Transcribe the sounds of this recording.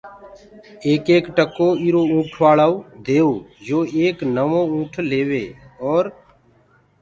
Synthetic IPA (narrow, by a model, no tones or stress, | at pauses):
eːkeːkʈəkːoːiɾoːũːʈʰʋaːlaːud̪eːoːd͡ʒoːeːknəʋõːũːʈʰleːʋeːɔːɾ